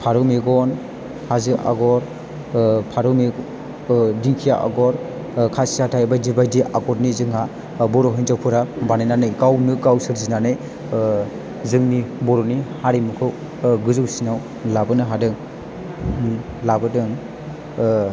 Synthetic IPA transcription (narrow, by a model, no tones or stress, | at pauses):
pʰaɾɯmeɡɔn | hazɯʔa̰ɡɔɾ | pʰaɾɯme | diŋkʰija̰ʔa̰ɡɔɾ | kʰasiatʰajbajdibajdiʔaɡɔɾnizɯŋha | bɔɾɔɦɯjnzawpʰɯɾabanajnanɯjɡawnɯɡawsɯɾzinanɯj | zɯŋnibɔɾɔnihaɾimukʰɯw | ɡɯzɯwsinaw | labɯnɯɦadɯŋ | labɯdɯŋ